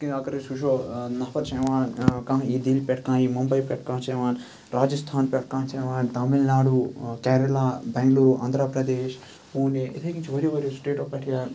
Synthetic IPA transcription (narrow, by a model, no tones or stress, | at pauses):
kĩɐkɐɾeʃuʃoːnɐpʰɐt̪t͡ʃɐjʋaːnkãːɦiːd̪ilpɛʈkãːiːmɐmbɐjpɛʈkãːt͡ʃɐʋaːn | ɾaːd͡ʒɐst̪ʰaːnpʲɛʈkãːnt͡ʃɐjʋaːnt̪ɐmilnaːɽukɛːɾɐlaːbɛːŋɡluːɾuʔa̰ːnd̪ʱɾɐpɾɐd̪eːʃ | uːniit̪ʰɐkĩnt͡ʃiʋɐɾjoʋɐɾjosʈeːʈoːfpɐʈʰijaːn